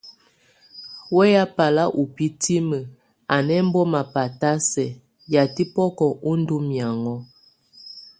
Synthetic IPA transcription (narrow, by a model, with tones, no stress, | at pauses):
wɛ˦ja˦pa˨la˦ʔu˨pi˦ti˦mə˨ | a˨nɛ˦m̩˦bɔ˦ma˨pa˨ta˦sɛ˨ | ja˨ti˦pɔ˦kɔ˨ʔu˦n˦du˦mja˨ŋɔ˦